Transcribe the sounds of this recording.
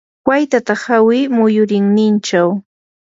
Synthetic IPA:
kwajt̪at̪aχawɪmʊjʊɾɪŋnɪnt͡ʃaw

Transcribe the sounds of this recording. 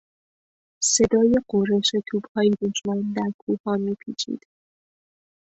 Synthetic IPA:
se̞d̪ɒːjeɢoɾeʃet̪ʰuːbhɒːjed̪uʃmænd̪æɾkʰuːhɒːmiːpʰiːt͡ʃʰḭːd̪̥

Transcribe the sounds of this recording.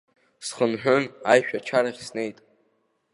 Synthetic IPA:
sχənħʷᶣʊnajʃᶣat͡ʃʰaɾaχʲsne̞jtʼ

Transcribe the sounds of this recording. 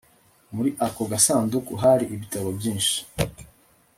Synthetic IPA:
muɾiʔakoɡasaːndukuɦaɾiʔiβitaɾobjĩːnʃi̥

